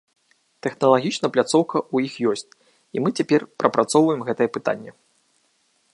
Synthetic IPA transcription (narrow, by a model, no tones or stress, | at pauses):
t̪ɛxnɐlˠaɣʲit͡ʂnɐplʲat̪sɔwkɐʔujixjɔsʲt͡sʲ | imɨt͡sʲapʲɛrpɾʔɐpɾʔat̪sɔwvɐjɛmɣɛt̪ɐjɛpɨt̪a̰nʲːɛ